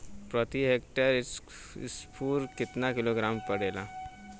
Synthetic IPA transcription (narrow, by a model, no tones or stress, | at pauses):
pɾət̪iɦekʈəɾis | spʰuːɾkit̪nakiloɡɾampəɽela